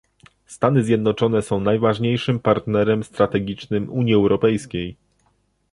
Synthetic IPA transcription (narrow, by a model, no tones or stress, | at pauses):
st̪anɘzʲjɛd̪nɔt͡ʂɔnɛsɔ̃w̃najvaʐɲejʂɘmpaɾt̪nɛɾɛmst̪ɾat̪ɛɡʲit͡ʂnɘmuɲjiɛwɾɔpɛjskʲej